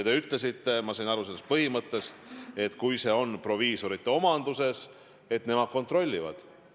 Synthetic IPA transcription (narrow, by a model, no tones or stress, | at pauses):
t̪e̞yt̪le̞sit̪ːe̞mɑsɤjnɑɾuse̞lːst̪̚pɤɦimɤt̪ˑːe̞st̪e̞t̪kujse̞o̞npro̞viːso̞ɾit̪ːˑeo̞mɑnd̪̥use̞s | e̞t̪ne̞mɑd̪̥̚ko̞nt̪ro̞lʲːivɑ̰d̪̥